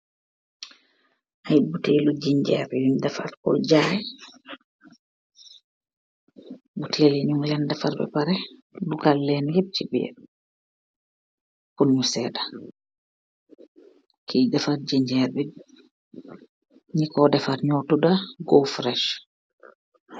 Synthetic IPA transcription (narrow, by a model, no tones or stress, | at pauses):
ʔajbutɛlɔd͡ʒiɲd͡ʒɛ̰ɾbɛjundɛfaɾkɔ̰d͡ʒajɛ | butʰɛlɛɲumlɛndɛfaɾbɛ̰paɾɛduɡalːɛnheb̚t͡ʃibɛ̰ | kunɲusɛda | kʰidafat̚d͡ʒiɲd͡ʒɛɾbɛ | ɲikɔdɛfatɲɔtudaɡɔfɾɛʃ